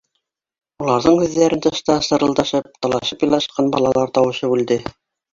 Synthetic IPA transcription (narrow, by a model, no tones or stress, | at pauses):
ulˠɑɾðɤɴhʉðːæɾɘnt̪ɤ̆ʃt̪ɑsɤ̆ɾɤ̆lˠd̪ɑʃɤp̚t̪ɑlˠɑʃɤpjɑlˠɑʃqɑnbɑ̰lˠɑlˠɑɾt̪ɑwɤ̆ɕɤbʉld̪ɘ